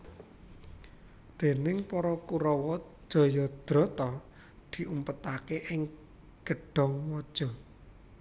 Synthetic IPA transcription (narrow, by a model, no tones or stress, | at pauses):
d̪̥e̤nɪŋpɔɾɔkuɾɔwɔ̥ | ʒ̥ɔ̤jɔd̪̥ɾɔ̤t̪ɔ | d̪̥i̤ʔumpət̪akeʔɪŋ | ɡ̥əɖ̥ɔ̤ŋwɔd̥ʒ̥ɔ̤